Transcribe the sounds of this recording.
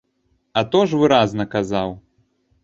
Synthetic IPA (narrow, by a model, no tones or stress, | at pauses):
ɐt̪ɔʐvɨɾaznɐkazaw